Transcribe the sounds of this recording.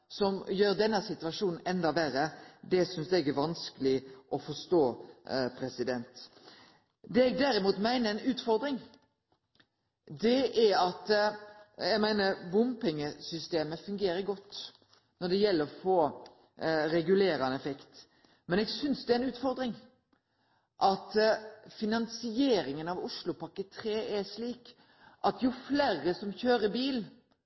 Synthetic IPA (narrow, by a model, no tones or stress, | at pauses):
sɔmjøːɾd̪ɛnːɑsɪt̪ʉʋɑʂuːnn̩ɛnd̪ɑʋæɾəd̪ɛsʏnsd̪ɛɡæɾʋɑnskəlɪʔɔfɔʂt̪oːpʰɾɛsɪd̪ɛnt̪ | d̪ɛːɛɡd̪æɾɪmuːt̪mæɪnəɛnʉːt̪fɔɾd̪ɾɪŋ | d̪ɛæɑt̪ | jɛɡmæɪnəɾbʊmpɪŋːəsʏst̪eːməfʉŋɡeːɾəɾɡɔt̪ː | nɔɖ̪ɛjɛlːəɾɔfoː | ɾɛɡʉleːɾɑnɛfɛkt̪ | mɛnɛːɡsʏnsd̪ɛæɾɛnʉːt̪fɔɾd̪ɾɪŋ | ʔɑt̪fɪnɑnsɪeːɾɪŋənɑʋʊʂlʊpɑkət̪ʰɾeːʔɛʂliːk | ʔɑt̪ʰjʊfleːɾəsɔmçøːɾəbiːl